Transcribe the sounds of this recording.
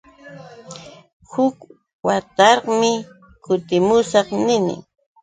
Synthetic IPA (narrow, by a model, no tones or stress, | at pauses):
hʊk | wat̪ɑɾqmɪ | kʊt̪ɪmʊsɑχnɪnɪ̰